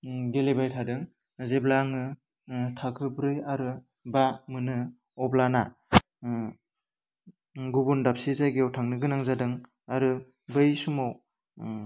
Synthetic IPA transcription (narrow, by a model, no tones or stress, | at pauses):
ɡelebajtʰadɯŋ | zeblaŋɯ | tʰakʰɯbɾɯjaɾɯ | bamɯnɯ | ɔblana | ɡubundap̚sizajɡewtʰaŋnɯɡɯnaŋzadɯŋ | aɾɯ | bɯjsumaw